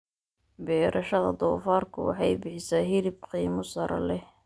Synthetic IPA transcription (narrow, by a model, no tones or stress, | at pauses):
bɛːɾʔɐʃɐðɐ̰d̪ɔːfaːrkʰʊwɑ̰ħɑjbɪħɪsaːɦɪɾɪb̚qiːmʊsɐɾʔɐ̰lɛh